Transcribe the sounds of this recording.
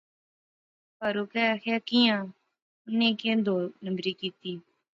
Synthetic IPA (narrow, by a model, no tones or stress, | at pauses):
pəɾuːkɛːakʰaːkijãː | ʊnẽːkẽd̪oːnəmbɾiːkiːt̪iː